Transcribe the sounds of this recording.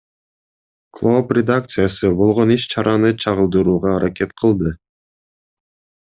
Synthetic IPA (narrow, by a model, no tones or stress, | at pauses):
klˠoprʲed̪akt̪sɨjasɯbo̞lˠʁo̞niʃt͡ʃʰɑɾʔɑnɯt͡ʃʰɑʁɯlˠd̪ɯɾuːʁɑːɾʔake̞t̪qʰɯlˠd̪ɯ